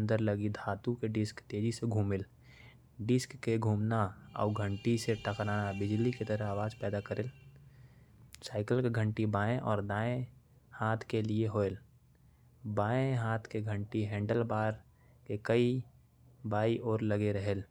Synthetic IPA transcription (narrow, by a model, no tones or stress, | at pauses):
nd̪əɾləɡid̪ʱaːt̪ũkeɖɪskt̪eːd͡ʒiseɡʱuːmɪl | ɖɪskːeɡʱuːmnaə̰ʊɡʱə̃ɳʈiseʈəkɾaːnabɪd͡ʒliket̪əɾəaːʋaːd͡ʒpɛːd̪akəɾel | saːɪkəlkeɡʱə̃ɳʈibaːẽʔɔːɾd̪aːẽ | haːt̪ʰkelieɦoːel | baːẽɦaːt̪ʰkeɡʱə̃ɳʈiɦɛ̃ːɳɖəlbaːɾ | kekəi | baːiʔɔːɾləɡeɾəɦeːl